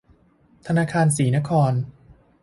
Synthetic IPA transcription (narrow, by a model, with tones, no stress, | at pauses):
t̪ʰa˧naː˧kʰaː˧ns̬iː˩˦na˦˥kʰɔː˧n